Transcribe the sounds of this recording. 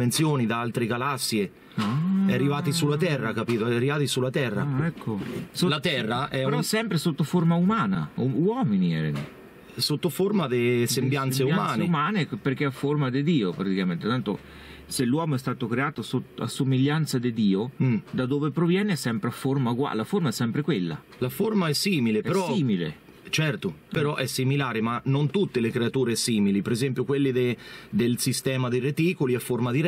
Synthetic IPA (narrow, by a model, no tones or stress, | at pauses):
ment̪sjoːnid̪aalt̪ɾeɡalasːje | aɛarːivaːt̪isulːat̪ɛrːakapiːt̪oɛarivaːt̪isulːat̪ɛrːa̰ɛkʰːosolat̪ɛrːaʔɛpeɾɔsːɛmpɾesot̪ːoformaumaːna̰uwɔːminiɛ̰ɾ̰nḭ | sot̪ːofoɾmad̪esembjant̪seumaːneumaːneperkeafːormad̪ɪd̪iːopɾat̪ikament̪et̪ant̪o | selːwɔːmoɛst̪aːt̪okɾeaːt̪oasot̪a̰sːomiʎːant̪sad̪id̪iːod̪ad̪oːvepɾovjɛːneɛsɛmpɾeaformauɡwa̰laformaɛsːɛmpɾekwelːa̰ | laformaɛsːiːmilepeɾɔiːmilḛ | t͡ʃɛrt̪opeɾɔʔɛsːimilaːɾemanːont̪ut̪ːelekɾeat̪uːɾesiːmilipeɾezɛmpjokwelːid̪ed̪elsist̪ɛːmad̪ejret̪iːkoliafːormad̪iɾ